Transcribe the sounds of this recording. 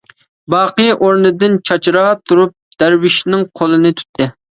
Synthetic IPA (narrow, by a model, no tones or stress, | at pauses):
bɑːqɨjʔoɾnɨd̪ɪnt͡ʃʰɑt͡ʃʰɾɑt̪ʰuɾup̚d̪̥æɾwɪʃnɪŋqʰolˠɨnɨt̪ʰy̥t̪ʰːɪ